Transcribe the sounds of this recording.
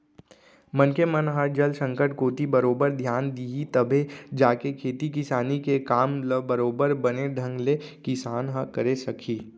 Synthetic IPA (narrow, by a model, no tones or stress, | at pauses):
mɐnkemənɦəɾd͡ʒəlsə̃ŋkəʈkoːt̪ibɐɾoːbəɾd̪ʱjaːnd̪iɦit̪əbʱed͡ʒaːkekʰeːt̪ik̬ɪsaːnikekaːmləbɐɾoːbəɾbɐneɖ̪ʱə̃ŋɡlekɪsaːnɦəkəɾesɐkʰiː